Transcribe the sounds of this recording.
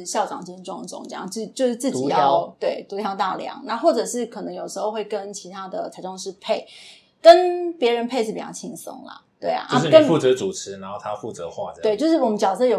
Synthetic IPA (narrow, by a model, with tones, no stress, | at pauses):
ɕjɑ˥˩ʊʈ͡ʂɑ̰˨˩ŋt͡ɕi˥˧˥ʈ͡ʂɑ˥˧ŋ˩ʈ͡ʂʊ̰˨˩ŋʈ͡ʂɤ˥˧jɑ̰˥˩ŋt͡ɕi˥˧t͡ɕjo˥˧ʊʂɻ̩˥˧t͡sɹ̩˥˩t͡ɕti˨˩jɑ˥˧ʊt̪we˥˩ɪt̪u˧˥t̪ʰjɑ˥ʊt̪a˥˩ljɑ̰˧˥˦ŋna˥˧xwɔ˥˩ʈ͡ʂɤ˨˩ʂɻ̩˥˩kʰə˨˩nɤ˧˦˥ŋjo˨˩ʊʂɻ̩˧˥xo˥˧ʊxwe˥˩ɪkə˦nt͡ɕʰi˧˥t̪ʰa˥d̪ə˨t͡sʰa˧˥ɪʈ͡ʂʊ˥˧ŋʂɻ̩˥˧pʰe˥˩ɪ | kə˦˥npjɛ˧˥ɻə˧˦npʰe˥ɪʂ̬ɻ̩˥˩pi˨˩jɑ˥˩t͡ɕʰi˧˥ŋsʊ̰˥ŋlɐ̰˨˩t̪we˥˩ɪa̰˩ʔo˥˧˥ʊʂnkə˨˥n˩fu˥˨˩t͡sɤ˨˧˦t͡su˨˩t͡sʰɻ̩˧˥na˧˥nxo˥˩ʊt̪ʰa˥fu˥˩t͡sə̰˧˦xwa̰˥˩˦we˥˩ɪt͡ɕjo˥˧ʊʂ̬ɻ̩˥˩wɔ˨˩mə˦nt͡ɕjɑ˨˩ʊsɤ˥˧jo˨˩